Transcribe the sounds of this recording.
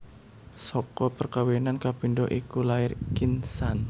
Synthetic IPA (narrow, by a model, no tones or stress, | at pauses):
sɔkɔpərkawenankabiɳdɔʔikulaɪrkinsan